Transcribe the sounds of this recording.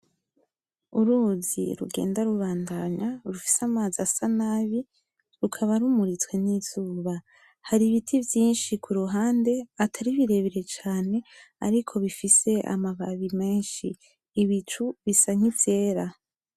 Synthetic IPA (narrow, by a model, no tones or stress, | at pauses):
uɾuːzḭɾṵɡe̞̰ːndaɾuβaːndaɲaɾufi̥samaːzasanaβi | ɾukʰaβaɾumuɾit͡swe̞niz̥uːβa | haɾiβitʰivjiːnʃikʰuɾuɦaːnde̞atʰaɾiβiɾe̞βeɾe̞t͡ʃaːne̞a̰ɾikʰo̞βifise̞ʔa̰maβaβime̞ːnʃḭː | βit͡ʃuβisaŋ̥ize̞ːɾa